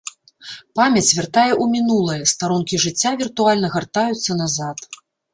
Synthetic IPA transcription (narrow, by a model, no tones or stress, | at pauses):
pamʲɐt͡sʲvʲart̪ajɛʔumʲinulˠɐjɐst̪aɾunkʲiʐɨt͡sʲːavʲirt̪ualʲnɐɣart̪ajut̪sːɐnazat̪